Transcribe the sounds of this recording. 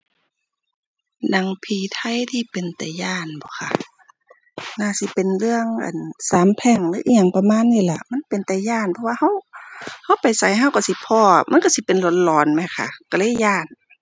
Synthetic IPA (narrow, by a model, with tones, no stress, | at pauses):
na˧˩ŋpʰiː˧˩t̪ʰa˧˩˨jt̪ʰiː˧˨pe˨nt̪ɛː˨˩jaː˧˩˨nbɔː˨˦xʰa̰˧˩ | naː˧˩˨si˧˦pe˨nlɯ˧˨əŋʔa̰˨nsaː˨˦mpʰɛː˧˩ŋlɯː˧˦ʔi˧ɲa˧˨ŋpa˧maː˧˥˨nːiː˧˨la˧˩ma˧˥˨npe˨nt̪ɛː˨˩jaː˧˥˨npʰɔ˧waː˧ha˧˥˨wha˧˥˨wpa˨jsa˨˦jɦa˧˥˨wka˧˩si˧˦pʰɔː˧˩ma̰˧˥˨nka˧˩si˧˦pe˨nlo˧˦t̪̚lɔː˨nma˧˩˨kʰa̰˧ka˧˩lɤː˧˥˨jaː˧˩˨n